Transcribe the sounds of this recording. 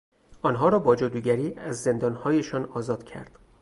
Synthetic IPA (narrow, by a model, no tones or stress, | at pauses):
ʔɒːnɦɒːɾɒːbɒːd͡ʒod̪uːɟæɾiːæzːe̞nd̪ɒːnhɒːje̞ʃɒːnɒːzɒːd̪̥cʰæ̰ɾd̪̥